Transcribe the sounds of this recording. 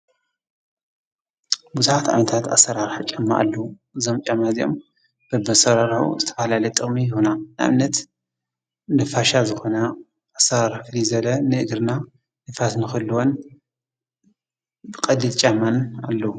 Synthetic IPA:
buzuħat̪ʕa̰nɐt̪ʰat̪a̰sːɐɾaɾħat͡ʃʼamːa̰ʔa̰lːɐwu | ɨzomt͡ʃʼamazio̞m | b̥ɐbɐsɐɾaɾħṵzɨt̪ʰɐ̥falalɐjt̪ʼɨχʼmijhunanɨʔa̰nɐt̪ | nɨfaʃazɨxo̞na | ʔasɐɾaɾflizɐlɐnɨʔɨɡɾna | nɨfasnɨxɨlːuwon | bɨkʼɐdilt͡ʃʼamːanalːɐwu

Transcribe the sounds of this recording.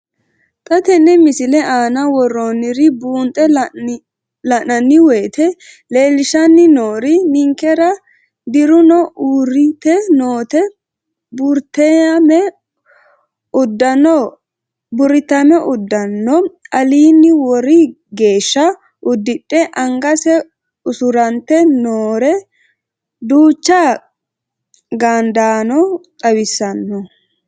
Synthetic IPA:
t̪ʼɐt̪ɛnːɛmɪsɪlɛʔaːnɐwɔrːonɪɾɪbuːnt̪ʼɛ | lɐnɐnːɪweːt̪ʰɛ | le̞ːlɪʃɐnːɪnoːɾɪnɪŋkɛɾɐ | d̪ɪɾʊnɔʔuːɾɪt̪ɛno̞ːt̪ɛ | bʊɾt̪ɛɐmɛ | ʊd̪ɐnɔ | bʊɾɪt̪ɐmɛʔʊd̪ːɐnːɔɐliːnːɪwɔɾɪ | ɡe̞ːʃːɐ | ʔʊd̪ːɪɗʼːɛʔɐŋɡɐsɛ | ʊsʊɾɐnt̪ːɛnoːɾɛ | d̪uːt͡ʃːa | ɡaːnd̪aːnɔt̪ʼɐwɪsːɐnːɔ

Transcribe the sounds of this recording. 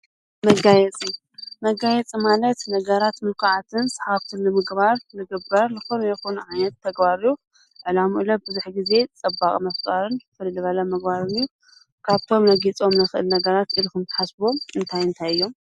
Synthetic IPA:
mɐɡajɛt͡sʼi | mɐɡːajɛt͡sʼimalɐt̪nɐɡɐɾat̪mɨlkʰaʕat̪ʰɨnsɐ̥ħaft̪ʰɨnnɨmɨɡbaɾnɨɡɨbɐɾnɨxunjɛxunʕajnɐt̪ʰːɐɡbaɾiju | ʕɨlamuʔɨlɐbɨzuħɡize̞t͡sʼɐbːakʼmɐft͡sʼaɾɨnfɨllɨβɐlɐmɨɡbaɾɨniju | kʰaβt̪ʰo̞mnɐɡit͡sʼo̞mnɨxɨʔɨlnɐɡɐɾat̪ilkʰɨmt̪ʰɐ̥ħasboɨnt̪ʰajɨnt̪ʰajɨjːo̞m

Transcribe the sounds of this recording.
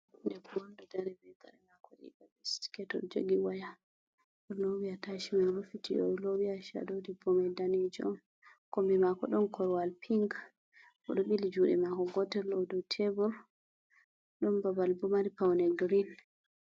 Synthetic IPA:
ndɛkwɔndɔdaɾɛbɛda̰ɾɛmakɔɗḭbabɛsti̥kɛtɔ̰ɾd͡ʒo̰ɡiwaja | ɔnowiataʃimaɾufitiɔlowiaʃa̰dodibɔmadaned͡ʒiɔm | kɔmbɛmakɔɗɔnkʰɔɾwalpʰiŋɡ | ʔɔɗɔɓilid͡ʒuɗɛmakɔɡɔtɛlɔdɔtʰebuɾ | ɗɔnbabalbumaɾipawnɛɡɾin

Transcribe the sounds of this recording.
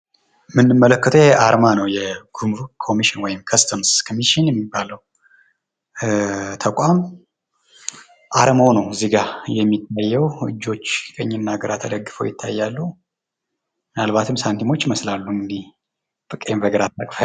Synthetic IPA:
mɨnːɨmːələkːət̪ʰəɛʔaɾmanəwjɛɡumvkʰo̞miʃɪnwɔjɪmkʰəst̪ʰəmskʰomiʃinjɛmːibːaləw | t̪ʰəkʷʼam | ʔaɾəmownəwɨziɡajɛmːit̪ʰːajːɛwɨ̰d͡ʒːo̞t͡ʃːkʰʼəɲːɪnːaɡəɾat̪ʰəd̪əɡːɨfə̰wjɪt̪ʰːa̰jːalːu | mɨnalβat̪ʰɨmsant̪ʰimo̞t͡ʃːməslalːuɨŋɡd̪ih | b̥ɨkʼemvəɡəɾat̪ːəkʼf

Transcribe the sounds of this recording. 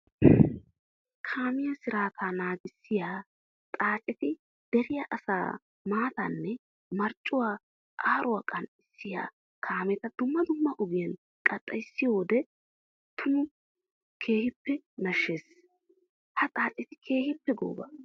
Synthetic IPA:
kʰaːmɪjɐsɪɾaːt̪ʰaːnaːɡɪsːɪjaː | t̪ʼaːt͡ʃʼɛt̪ɪ | d̪̥ɛɾɪjaʔɐsa̰ː | maːt̪ɐnːɛ | mɐɾt͡ʃʼːʊwaː | ʔaːɾʔʊwaːkʼɐnɪsːɪja̰ː | kʰaːmɛt̪ɐd̪̥ʊmːɐd̪ʊmːɐʔʊɡɪjɐn | kʼɐt̪ʼːɐjsːɪjoːd̪ɛ | t̪ʰʊnʊ | kʰe̞ːhɪpːɛnɐʃːeːs | hɐt̪ʼaːt͡ʃʼɛt̪ɪkʰe̞ːhɪpːɛɡo̰ːbɐ̰

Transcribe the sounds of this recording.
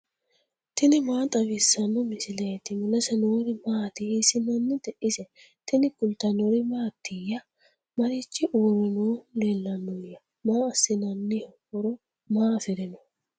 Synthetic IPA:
t̪ɪnɪmaːt̪ʼɐbisːɐnːɔmɪsɪlɐjɛt̪ɪmʊlɐsɛnoːɾɪmaːt̪ɪsɪnɐnːɪt̪ɛʔɪsɛ | t̪ɪnɪkʊlt̪ɐnɔɾɪmaːt̪ːɪjɐ | mɐɾɪt͡ʃːɪʔuːɾɪnoːleːlːɐnːɔjɐ | maːɐsːɪnɐnːɪhɔfɔɾɔ | maːfɪɾɛnɔ

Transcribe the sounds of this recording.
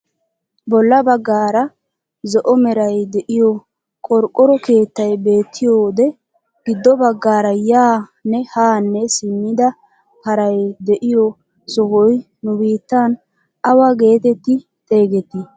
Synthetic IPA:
bɔlːɐbɐɡːaːɾɐ | zɔʔɔmɛɾɐjd̪ɛʔɪjɔ | kʼɔɾkʼːɔɾɔke̞ːt̪ːɐjbe̞ːt̪ʰːɪjoːd̪ɛ | ɡ̥ɪd̪ːɔbɐɡːaːɾɐjaːnɛhaːnːɛsɪmːɪd̪ɐ | hɐɾɐjd̪ɛʔɪjɔ | sɔhɔj | nʊbiːt̪ːan | ɐwɐɡe̞ːt̪ɛt̪ːɪ | t̪ʼe̞ːɡɛt̪ːɪ

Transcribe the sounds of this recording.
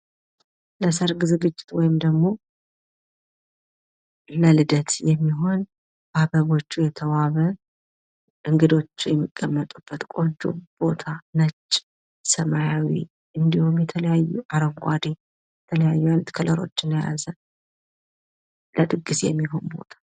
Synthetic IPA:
ləsəɾɡɨzeɡɨt͡ʃʼːɪ̥t̪wɔjɪmd̪əɡmo̞ | ləlɨd̪ət̪jɛmːiɦo̞n | babəβo̞t͡ʃːujɛt̪ʰəwaβə | ʔɨŋɡɨd̪o̞t͡ʃːujɛmːikʼːəmːət̪ʼub̥ːət̪kʼo̞nt͡ʃʼṵb̥o̞t̪ʰanət͡ʃːʼ | səmajawḭ | ʔɨnd̪ihumjɛt̪ʰələjajːuʔaɾəŋɡʷad̪e | jɛt̪ʰələjajːujanut̪kʰələɾo̞̰t͡ʃːɪnja̰zən | ləd̪ʼɨɡːɨsjɛmːiɦo̞nbo̞̰t̪ʰḁ

